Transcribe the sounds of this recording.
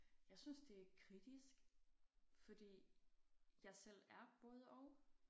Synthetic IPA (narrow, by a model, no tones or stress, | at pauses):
jɑ̈ɪsynsd̥e̝æɐkʰʁid̥isɡ̥ | fɒ̽d̥ḭː | jɑ̈ɪsel̰æɐb̥ɔ̽ːð̞ˠəɒʊ